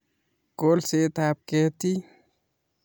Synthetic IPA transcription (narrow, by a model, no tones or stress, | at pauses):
kolset̪ap̚ket̪i